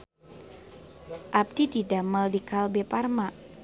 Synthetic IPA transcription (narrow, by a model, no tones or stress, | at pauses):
ʔab̚dididaməldikalbeparma